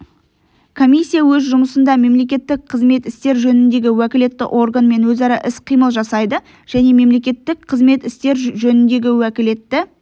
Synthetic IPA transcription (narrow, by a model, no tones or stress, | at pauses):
kʰo̞mijsʲːijawɵzʒʊməsənd̪ɑme̞mle̞k̬ʲe̞t̪ːɪk̚qʰəzme̞t̪ɪst̪e̞ɾʒɵnɪnd̪e̞ɡʲɪwækʲɪle̞t̪ːɪ̰ʔo̞rɡanme̞nwɵzɑɾɑʔɪsqʰijməlˠʒɑsɑjd̪ə | ʒ̥æne̞me̞mle̞kʲe̞t̪ːɪk̚qʰəzme̞t̪ɪst̪e̞ɾʒɵnɪnd̪e̞ɡʲɪwækʲɪle̞t̪ːɪ